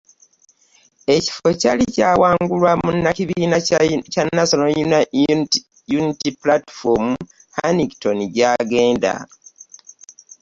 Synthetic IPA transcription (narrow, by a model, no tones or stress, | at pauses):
e̞ci̥fo̞calicaːwaːŋɡulwamunːaciβiːnacanːasono | junitiplati̥fomu | haniɡito̞niɟaːɡe̞ːnda̰